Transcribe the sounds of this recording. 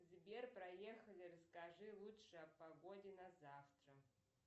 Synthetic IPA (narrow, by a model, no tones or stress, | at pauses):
zbʲerprɐjexɐlʲirɐskaʐɨlˠutʂɨapaɡo̞dʲenazaft̪rɐ